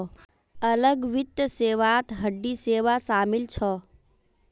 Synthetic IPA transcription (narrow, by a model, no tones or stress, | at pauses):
ɐləɡʋɪt̪ːseːʋat̪ɦəɖːiseːʋasaːmɪlt͡ʃʰɔ